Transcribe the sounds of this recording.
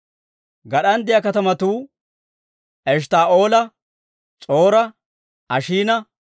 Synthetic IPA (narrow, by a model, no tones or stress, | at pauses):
ɡɐɗɐnd̪ɪjɐkɐt̪ɐmɐt̪uː | ʔɛʃ̬t̪aːʔo̞ːlɐ | t͡sʼo̞ːɾɐ | ɐʃiːnɐ